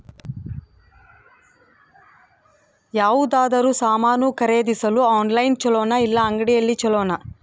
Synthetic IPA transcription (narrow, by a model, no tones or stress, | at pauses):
jaːʋud̪aːd̪ɐɾusaːmaːnuːkɐɾeːd̪isɐluaːnlɐjnt͡ʃɔlɔːnɐilːɐːŋɡɐɽijɐlːit͡ʃɔɭɔːnɐ